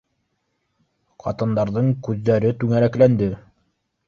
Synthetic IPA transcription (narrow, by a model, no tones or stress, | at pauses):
qʰɑ̰t̪ɤ̆nd̪ɑɾðɤɴkʉðːæɾɘt̪ʉŋæɾæklænd̪ɘ